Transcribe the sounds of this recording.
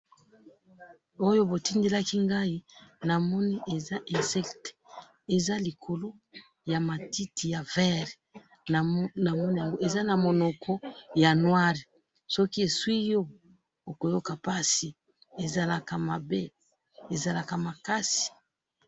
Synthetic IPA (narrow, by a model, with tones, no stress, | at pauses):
o˦jo˦bo˨ti˦nde˦la˦ki˦ŋɡa˦i˦na˨mɔ˦ni˦ʔe˨za˦ʔɛ̃˨sɛ˦kt | e˨za˦li˨kʰo˨lo˦ | ja˨ma˨ti˦ti˨ja˨vɛ˦˨ʁ | na˨mɔ˦ni˦ja˨ŋɡo˦e˨za˦na˨mo˨nɔ˨kʰɔ˦ja˨nwa˦ʁi˨ | sɔ˦ki˦e˨swi˦jo˦ | o˨ko˨jo˦ka˨pa˦si˨ | e˨za˨la˨ka˨ma˨be˦ | e˨za˨la˨ka˨ma˨ka˦si̥˨